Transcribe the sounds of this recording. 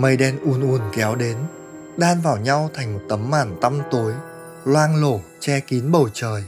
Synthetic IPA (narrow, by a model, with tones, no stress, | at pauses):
mə˧jɗɛ˧nʔu˨˦ənʔu˨˦ənkɛ˨˦wɗe˨˦n | ɗaː˧nvaː˨˩wɲa˧wt̪ʰa˨˩jŋ̟mo˨˩t̚t̪ə˨˦mːaː˧˩nt̪a˧mt̪o˨˦j | lwaː˧nlo˧˩ | t͡ɕɛ˧ki˨˦nɓə˨˩wt͡ɕəː˨˩j